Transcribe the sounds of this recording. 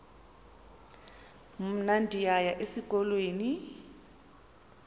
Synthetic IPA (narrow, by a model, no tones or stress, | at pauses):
m̩nandʱijajaʔesikʼɔlweːni